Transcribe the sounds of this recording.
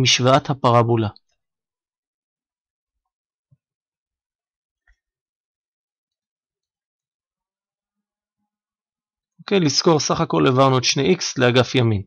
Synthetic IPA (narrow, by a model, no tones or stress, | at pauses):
miʃvaat̪hapaʁabula | okejlisko̞ʁsaχako̞levaʁnuetʃnejʔiksleaɡafjamin